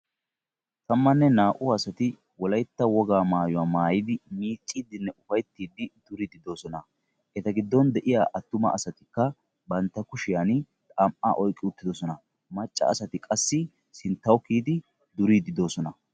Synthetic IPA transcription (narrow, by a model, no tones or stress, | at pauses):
t̪ɐmːɐnːɛnaːʔʊɐsɐt̪ɪ | wɔlɐjt̪ːɐwɔɡaːmaːjɔwaːmaːjɪd̪ɪmiːt͡ʃʼːid̪ɪnːɛʊfɐjt̪ːiːd̪ɪd̪̥ʊɾid̪ɪd̪o̞ːsɔnɐ | ʔɛt̪ɐɡɪd̪ːɔnd̪ɛʔɪjaːʔɐt̪ːʊmɐ̰ɐsɐt̪ɪkːɐ | bɐnt̪ːɐkʊʃɪjan | t̪ʼaːmʔa̰ːʔɔjkʼːɪʊt̪ːɪd̪ɔsɔnɐ | mɐt͡ʃʼːɐ̰ːsɐt̪ɪkʼɐsːɪ | sɪnt̪ːɐwkiːd̪ɪ | d̪ʊɾid̪ɪd̪o̞ːsɔnɐ